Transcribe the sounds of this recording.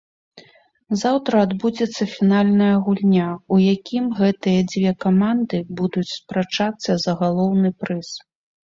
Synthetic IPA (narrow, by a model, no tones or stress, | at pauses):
zawt̪ɾɐːd̪bud͡zʲɛt̪sːɐfʲinalʲnɐjɐɣulʲnʲaujakʲimɣɛt̪ɨjɐd͡zʲvʲɛkamand̪ɨbud̪ut͡sʲspɾat͡ʂat̪sːɐzɐɣalˠɔwnɨpɾɨs